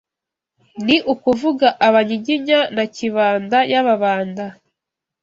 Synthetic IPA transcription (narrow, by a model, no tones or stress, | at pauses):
niʔukuvuɡaʔaβaɲiɟiɲanaciβaːndajaβaβaːnda